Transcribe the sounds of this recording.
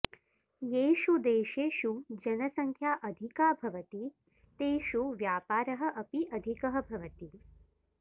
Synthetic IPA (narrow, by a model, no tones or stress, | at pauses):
jeːʃud̪eːʃeːʃud͡ʒɐnɐsɐŋkʰjaːʔɐd̪ʱikaːbʱɐʋɐt̪i | t̪eːʃuʋjaːpaːɾɐɦɐ̆ʔɐpiʔɐd̪ʱikɐɦɐ̆bʱɐʋɐt̪i